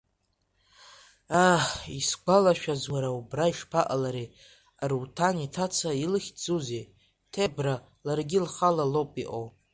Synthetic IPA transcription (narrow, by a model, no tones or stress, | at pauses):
aχisɡʷalaʃᶣazwaɾaubraiʂpʰaʔalaɾi | arutʰanitʰat͡sʰailɨχʲd͡zuze | tʰebra | larɡʲɪlχalalowpʼiʔo̰w